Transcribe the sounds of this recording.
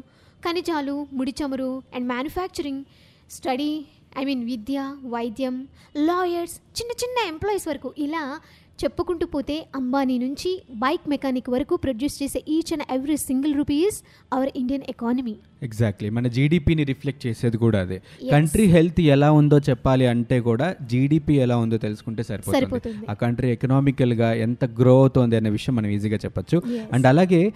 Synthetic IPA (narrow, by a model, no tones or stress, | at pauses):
kɐnid͡ʒaːlumuɽit͡ʃɐmɐɾuɛ̃ɳɖmaːnjupʰaːk̚t͡ʃɐɾiŋɡ | sʈɐɽi | ɐ̰jmiːnʋid̪jaːʋɐjd̪jɐm | lɔːjɐɾst͡ʃinːɐt͡ʃinːɐemplɔːjisʋɐɾɐkuʔilaː | t͡ʃepːukuɳʈupoːt̪e̞ːɐmbaːninuɲt͡ʃibɐjkmekaːnikʋɐɾɐkupɾodjuːst͡ʃeːseːʔiːt͡ʃɐnʔeʋɾisiŋɡɐlɾupiːs | ɐʋɐɾiɳɖijɐnekaːnɐmi | eɡzaːk̚ʈlimɐnɐd͡ʒiːɖiːpiːniɾipʰlek̚ʈ̚t͡ʃeːse̞ːd̪ikuːɽaːɐd̪ḛkɐɳʈɾiɦe̞lt̪ʰɛlaːund̪o̞ːt͡ʃɛpːaːliɐɳʈe̞ːkuːɽaːd͡ʒiːɖiːpiːɛlaːund̪o̞ːt̪elusu̥kuɳʈeːsɐɾiposɐɾiunpoːiund̪aːkɐɳʈɾiekɐnaːmikɐlɡaːɛnt̪ɐɡɾoːt̪ond̪iɐnːeʋiʂɐjɐmːɐnɐmiziːɡaːt͡ʃɛpːɐt͡ʃːuɐɳɖɐlaːɡeː